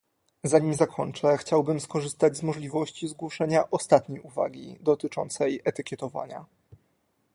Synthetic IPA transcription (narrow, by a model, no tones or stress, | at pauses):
zaɲimʲzakʰɔɲt͡ʂɛxt͡ɕawbɘmskɔʐɘst̪ad͡ʑʲzmɔʐlʲivɔɕt͡ɕizɡwɔʂɛɲaʔɔst̪at̪ɲejuva̰ɡʲḭd̪ɔt̪ɘt͡ʂɔ̰nt̪sɛjɛt̪ɘkʲɛt̪ɔva̰ɲa̰